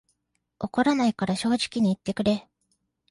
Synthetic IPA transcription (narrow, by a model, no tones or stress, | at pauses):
o̞ko̞ɾanaikaɾaɕo̞ːʑi̥kʲiɲ̟iːt̪ːe̞kɯ̟ɾe̞